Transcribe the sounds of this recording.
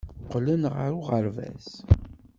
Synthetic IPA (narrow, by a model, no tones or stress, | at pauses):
qːlənʁə̰ɾuʁəɾvæ̰s